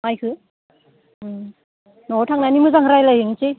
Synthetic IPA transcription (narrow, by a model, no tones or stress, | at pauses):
majkʰɯ | nɔtʰaŋnajnimɯzaŋɯɾajlajɦɯŋit͡ʃi